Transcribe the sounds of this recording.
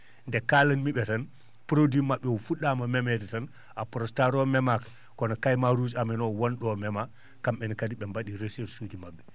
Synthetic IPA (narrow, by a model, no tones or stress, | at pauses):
ndɛkalɐnmiɓɛtɐn | pɾodimaɓːɛwufuɗamɐmɛmɛtɛtɐn | apɾostaɾoːmɛmak | kɔnakajmaɾuːsaminɔwɔnɗɔːmɛma | kambɛnkadiɓɛmbaɗiɾeseɾsuːd͡ʒimaɓːɛ